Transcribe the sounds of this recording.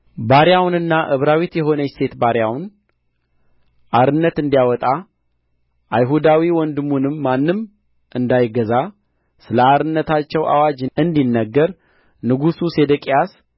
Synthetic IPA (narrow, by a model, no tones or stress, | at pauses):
baɾjawnɨnːaʔɨβɾawit̪jɛɦo̞nəjst̪ʰe̞t̪baɾjawn | ʔaɾɨnːət̪ɨnd̪ijawɔt̪ʼa | ʔajɦud̪awiwɔnd̪ɨmːunɨmːanːɨm | ʔɨnd̪ajɪɡəza | sɨləaɾɨnːət̪ʰat͡ʃːɛwʔa̰wad͡ʒɨnd̪inːəɡːəɾ | nɨɡususe̞d̪əkʼijas